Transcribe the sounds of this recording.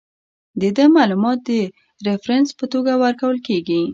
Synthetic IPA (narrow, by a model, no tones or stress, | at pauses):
d̪əd̪əmɑlumɑt̪̚d̪ə | ɾɪfɾanspət̪oɡawəɾkawəlkeɡi